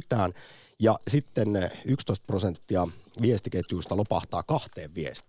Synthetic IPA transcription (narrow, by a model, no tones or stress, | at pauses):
t̪æːn | jɑsit̪ːenykst̪oist̪̚prosent̪ːiɑʋiest̪iket̪juːst̪ɑlopɑht̪ɑ̰ːkɑht̪eːʋʋiḛst̪i